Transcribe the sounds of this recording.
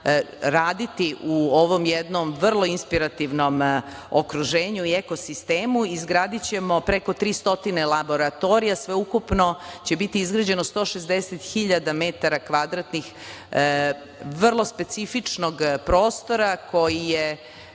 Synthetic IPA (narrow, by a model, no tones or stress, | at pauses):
ɾaːd̪it̪iʔuoʋo̞mjed̪no̞mʋr̩lˠo̞inspiɾat̪iʋno̞m | okɾuʒe̞ːɲuieko̞sist̪eːmuizɡɾaːd̪it͡ɕe̞mo̞pɾeko̞t̪ɾiːst̪o̞t̪inelˠabo̞ɾat̪o̞ɾijasʋe̞ukupno̞t͡ɕe̞bit̪iizɡɾad͡ʑe̞nost̪oʃezd̪eset̪xiʎad̪amet̪aɾakʋad̪ɾat̪nix | ʋr̩lˠo̞spe̞t̪sifit͡ʂnoɡpɾoːst̪o̞ɾakʰo̞jije